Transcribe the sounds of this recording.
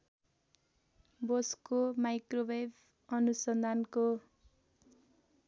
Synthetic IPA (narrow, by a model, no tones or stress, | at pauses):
boskomajkrobejb | ʌnusʌnd̪ʱanko